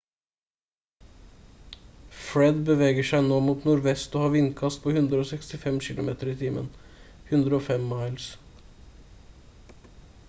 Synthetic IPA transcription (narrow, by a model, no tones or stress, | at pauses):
fɹɛd̪bəʋeːɡəʂæɪnoːmuːt̪nʊɾʋɛst̪oːhɑːʋɪnkʰɑst̪̚pʰoːhʉnd̪ɾəoːsɛkst̪ɪfɛmçɪlʊ̰mḛːt̪əɾiːt̪ʰiːmʔə̰n | hʉnd̪ɾəoːfɛmːɑɪls